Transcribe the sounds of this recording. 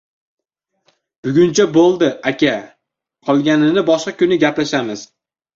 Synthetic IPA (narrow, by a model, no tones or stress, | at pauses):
b̥ʊɡʲʊnt͡ʃʰabolˠd̪ɪakʲʰa | qʰɒlˠɡʲanɪnɪbɒʃqɑkʲʰʊnɪɡʲaplaʃamɪz̥